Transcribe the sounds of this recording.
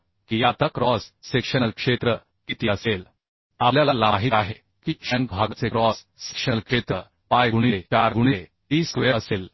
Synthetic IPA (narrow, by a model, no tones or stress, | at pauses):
kijat̪akɾɔsːekʂənəlkʂet̪ɾə | kit̪iəsel | aljalalaɦiaɦe | kiːkʂãnbʱaɡt͡sekɾɔs | se̥kʂəlkʂet̪ɾə | pajɡuɽ̃it͡ɕaɾɡuɽ̃i | t̪iːsʋeəəsel